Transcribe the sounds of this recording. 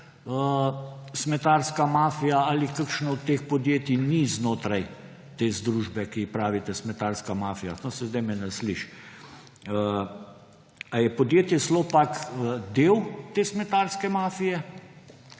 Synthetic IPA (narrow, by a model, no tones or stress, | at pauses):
ə | smɛt̪aɾskamaːfijaalikakʃnɔɔt̪ːeːxpɔd̪jeːt̪iniznoːt̪ɾaj | t̪eːzd̪ɾuːʒbɛkipɾaːʋit̪ɛsmɛt̪aːɾskamaːfijat̪osɛzd̪ajmɛnɛsliʃ | ə | ajɛpɔd̪jeːt̪jɛslopakəd̪eːwt̪eːsmɛt̪aːɾskɛmaːfijɛ